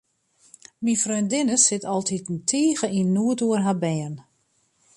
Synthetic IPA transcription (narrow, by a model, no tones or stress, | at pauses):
minfrøndɪnəsɪtɔlˠtʰitntʰiːɣəinːuətuərɦabɛjən